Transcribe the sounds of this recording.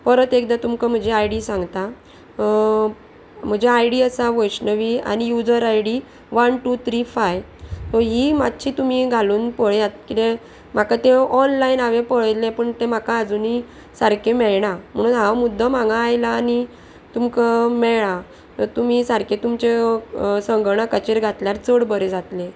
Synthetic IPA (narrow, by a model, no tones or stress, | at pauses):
pəɾət̪ekd̪at̪umkəm̤əd͡ʑeajɽisãŋɡt̪a | m̤əd͡ʑeajɽiəsaʋɔjɕnəʋia̰nijud͡zəɾajɽi | ʋənʈut̪ʰɾifaj | t̪oɦimad̪t͡ɕʰit̪um̤iɡʱaluːnpəɭjat̪̚kit̪ẽ | m̤akat̪eɔnlainaʋepəɭjlepəɳt̪em̤akaːd͡zuni | saɾkʰemɛɭɳam̤əɽ̃unɦaʋmud̪ʱːəmãŋɡãːjlaːni | t̪umkamɛɭɭa | t̪ɔɾt̪um̤isaɾkʰet̪umt͡ɕesəŋɡɳ̃akət͡ɕeɾɡʱat̪ljaɾt͡səɽbəɾed͡zat̪le